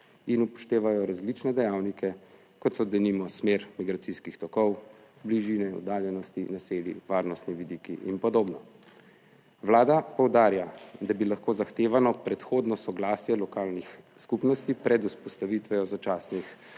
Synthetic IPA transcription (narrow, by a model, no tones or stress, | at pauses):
inupɔ̥ʃt̪eːʋajɔɾazlit͡ʃnɛd̪ɛjawnikɛ | kɔt̪sɔd̪ɛnimɔsmeːɾmiɡɾat̪siskixt̪ɔkɔw | bliʒinɛɔ̰d̪aːljɛnɔst̪inaseːlḭʋaːɾnɔst̪niʋid̪ikiʔinpɔd̪oːbnɔ | ʋlaːd̪apɔwd̪aːɾjad̪abilaxkoːzaxt̪eːʋanɔpɾɛt̪xoːd̪nɔsɔɡlaːsjɛlɔkaːlnix | skupnɔst̪ipɾɛd̪uspɔst̪aʋit̪ʋɛjɔzat͡ʃaːsnix